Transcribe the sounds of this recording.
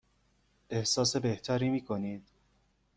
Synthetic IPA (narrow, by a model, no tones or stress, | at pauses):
e̞hsɒːse̞be̞ht̪ʰæːɾiːmiːkʰo̞niːd̪̥